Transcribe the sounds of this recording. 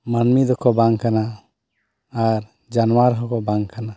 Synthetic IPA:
mənmid̪ɔkʰɔbaŋkana | ɾ | d͡ʒanwaɾɦɔkɔbaŋɡkana

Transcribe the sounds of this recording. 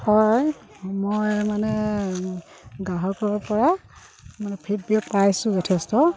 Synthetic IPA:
hɔj | mojmanɛ | ɡaɦɔkɔɹɔɹpɔɹa | manɛpʰep̚biɔt̚pajsʊ̃zɔtʰɛstɔ

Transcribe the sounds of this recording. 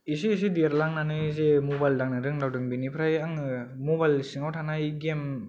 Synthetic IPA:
is̬iis̬idiaɾlaŋnanɯzemobajldaŋnɯɾɯŋdawdɯŋbinipʰɾajaŋ | mɔbajlsiŋawtʰanajɡem

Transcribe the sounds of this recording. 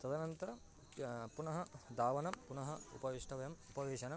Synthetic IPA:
t̪ɐd̪ɐnɐnt̪ɐɾɐ | punɐɦɐd̪aːʋɐnɐmpunɐɦɐṵpɐʋiʂʈʰɐʋɐjɐmupɐʋeːʃɐnɐm

